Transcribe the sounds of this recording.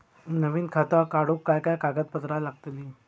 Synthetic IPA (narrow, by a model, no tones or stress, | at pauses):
nəʋiːnkʰat̪akaɽukːajkajkaɡət̪̚pət̪ɾalaɡt̪liː